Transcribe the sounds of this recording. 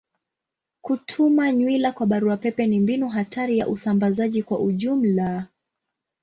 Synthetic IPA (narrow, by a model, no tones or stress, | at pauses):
kutʰumaɲwilakwaɓaɾuapɛpɛnimbinuɦatʰaɾija̰ʔusambazaʄikwaʔuʄum̩la